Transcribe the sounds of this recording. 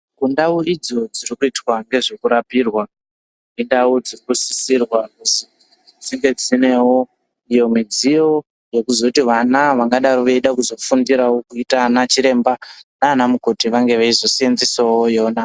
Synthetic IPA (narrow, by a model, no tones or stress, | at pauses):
kundauid͡zo̞d͡zirikuitwaŋɡe̞ʐekuɾapirwa | nindaud͡zirikusi̥sirwakusi | d͡ziŋɡe̞d͡zine̞wo̞ | ijo̞mid͡zijo̞ | je̞kuzo̞tiʋanaʋaŋɡaɗaɾoʋeiɗakuzo̞fundiɾawokuitanat͡ʃiɾe̞mbanaːnamuko̞tiʋaŋɡe̞ʋeizo̞sienzesawojo̞ːna